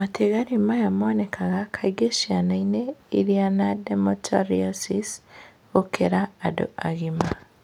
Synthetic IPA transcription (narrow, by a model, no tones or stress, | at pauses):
matʰeɣaɾimajamonekʰaɣakʰaiɡeʃianaineḭɾianademotʰaɾiosis | ɣokʰeɾaːdo̰a̰ɣima